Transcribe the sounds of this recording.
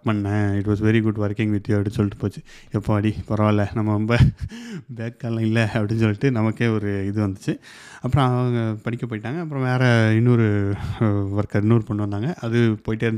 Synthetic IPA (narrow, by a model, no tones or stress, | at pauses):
pɐɳːɐ̃ɪʈʋaːs̬ʋɛɾiɡʊɖʋɐɾkɪ̃ŋɡʋɪt̪ːjɐɐʋʈiɪnsɔlːɪʈːɯ̥poːt͡ʃːɯ | ɛpːoːɐɽipɔɾɐʋaːɪlːɐnɐmːɐɾɔmbɐ | beːkːaːlɐ̃ɪlːɛɐpɐɽɪnsɔlːɪʈːɯnɐmɐkːeːɔɾɯɪðɯʋɐnd̪ɯt͡ʃːɯ | ɐpːɯɾɔ̃ɐʋɐɐŋɡɐpɐɽɪkʲːɐp̬oːjɪʈːaːŋɡɐːpːɾɔ̃ʋeːɾɛɪnːɔːɾɯ | ʋɐɾkɐɪnːuːɾɯpɔɳːʋɐnd̪aːŋɡɐʔɐðɯpoːjɪʈːeɾɯnd̪